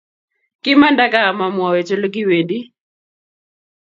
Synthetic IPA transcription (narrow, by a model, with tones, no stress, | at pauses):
kɪ˦ma˦nda˦kaː˦˨ma˨mwɔ˨we˨t͡ʃo˦lo˦ɡi˦we˨ndi˦